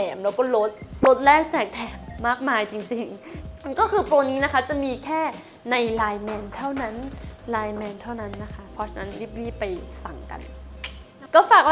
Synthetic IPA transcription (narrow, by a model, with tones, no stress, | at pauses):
ɛː˨˩mlɛː˦˥wkɔː˥˩lo˦˥t̪̚lo˦˥t̪̚lɛː˥˩k̚t͡ɕaː˨˩k̚t̪ʰɛː˨˩mːaː˥˩k̚maː˧jt͡ɕi˧ŋt͡ɕi˧ŋkɔː˥˩kʰɯː˧pɾoː˧niː˦˥na˦˥kʰa˦˥˩t͡ɕa˨˩miː˧kʰɛː˥˩ | na˧jlaː˧jmɛː˧nt̪ʰa˥˩wna˦˥nlaː˧jmɛː˧nt̪ʰa˥˩wna˦˥nːa˦˥kʰa˦˥pʰɔ˧˥t͡ɕʰa˧na˦˥nli˦˥˩p̚liː˥˩pa˧jsa˨˩ŋka̰˧n | kɔː˥˩faː˨˩k̚w